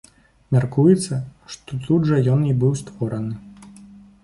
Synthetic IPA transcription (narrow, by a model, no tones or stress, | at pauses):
mʲarkujɛt̪sːɐʂt̪ɔt̪ud̪ʐɐjɔnibɨwst̪vɔɾɐnɨ